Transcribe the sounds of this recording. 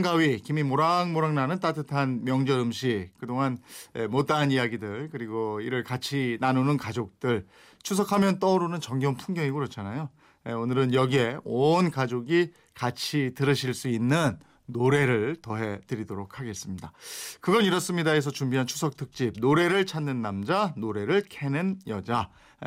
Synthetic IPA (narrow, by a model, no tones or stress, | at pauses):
ŋɡawɥikimimoɾaŋmoɾaŋnanɯnt͈atʰɯtʰanmjʌŋd͡ʑʌɾɯmɕʰikɯdoŋɦanḛmot͈anijaɡidɯɭkɯɾiɡoiɾɯɭkat͡ɕʰinanunɯnkad͡ʑok̚t͈ɯɭ | t͡ɕʰusʰʌkʰamjʌnt͈ʌɾonɯnt͡ɕʌŋɡjʌnpʰuŋɡjʌŋiɡokɾʌt͡ɕʰanajo | eonɯɾɯnjʌɡie̞onkad͡ʑoɡi | kat͡ɕʰitɯɾɯɕʰiɭs͈uinːɯnː | oɾe̞ɾɯɭtʌɦe̞tɯɾidoɾokʰaɡe̞s͈ɯmɲidakɯɡʌniɾʌs͈ɯmɲidaes̬ʰʌt͡ɕumbiɦant͡ɕʰu̥sʰʌk̚tʰɯk̚t͡ɕ͈ib̚noɾe̞ɾɯɭt͡ɕʰanːɯnːamd͡ʑanoɾe̞ɾɯɭkʰe̞nɯnjʌd͡ʑa